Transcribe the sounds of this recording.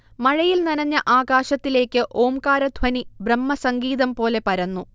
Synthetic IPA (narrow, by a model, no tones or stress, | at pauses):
mɐɻɐjilnɐnɐɲːɐʔaːɡaːɕɐt̪ːile̞ːkʲːɨʔo̞ːmkaːɾɐd̪ʱʋɐnibrɐmːɐsɐŋɡiːðɐmpo̞ːle̞pɐɾɐnːu